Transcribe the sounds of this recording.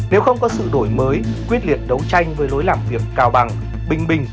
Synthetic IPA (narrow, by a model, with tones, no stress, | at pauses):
ne˨˦wxə˧wŋ͡mkɔ˨˦sɨ̰˧˨ɗo˧˩jməː˨˦jkwi˦˥ət̚lḭ˧˨ən̚ɗə˨˦wt͡ɕa˧jŋ̟vəː˨˦jlo˨˦jlaː˨˩mvi˨˩əkːaː˧˩wɓa˨˩ŋ | ɓï˨˩ŋ̟ɓï˨˩ŋ̟